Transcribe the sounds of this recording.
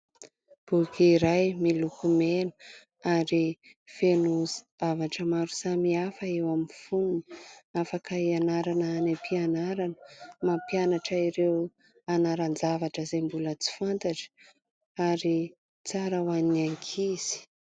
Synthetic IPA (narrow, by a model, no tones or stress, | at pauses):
b̥ukiɾajmilukumenə̥ | aɾi | fenuz | avaʈ͡ʂəmaɾusamiafəewamifununafakəianaɾanəanepianaɾanə̥mapianaʈ͡ʂəiɾew | anaɾand͡zavaʈ͡ʂəzembulət͡si̥fant̪aʈ͡ʂə̥ | aɾi | t͡saɾawanaŋkʰiz̥i̥